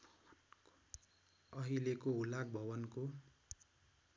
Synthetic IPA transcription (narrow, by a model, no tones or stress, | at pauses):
ʌɦilekoulak̚bʱʌbʌnko